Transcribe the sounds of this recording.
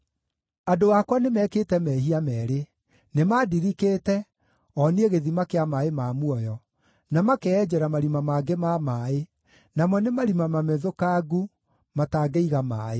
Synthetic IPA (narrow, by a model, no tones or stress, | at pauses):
adowakwanemɛːkeːtɛmɛːɦiamɛːɾe | nemaːdiɾikeːtɛ | ɔneeɣeðimakeamaemamuɔjɔ | namakeɛd͡ʑɛɾamaɾimamaɡemamaːe | namwɔnemaɾimamamɛðokaːɡu | mataɡeiɣamaːe